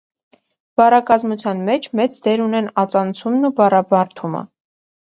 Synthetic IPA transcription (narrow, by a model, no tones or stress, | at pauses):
b̥ɑrɑkɑzmut͡sʰjɑnmɛt͡ʃʰmɛt͡sd̪ɛɾunɛnɑt͡sɑnt͡sʰumnubɑrɑbɑɾt̪ʰumə̰